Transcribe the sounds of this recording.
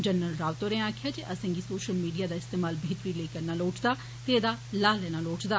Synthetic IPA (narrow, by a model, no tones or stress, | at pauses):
d͡ʒənːəlɾaːʋt̪oːɾẽaːkʰɪjaːd͡ʒeʔəsɛ̃ːŋɡisoːʃəlmiːɖijaːd̪aːɪst̪eːmaːlbʱeːt̪ɾiːleːkəɾnaːloːʈd̪aː | t̪ed̪aːlaːlɛːnaːloːʈd̪aː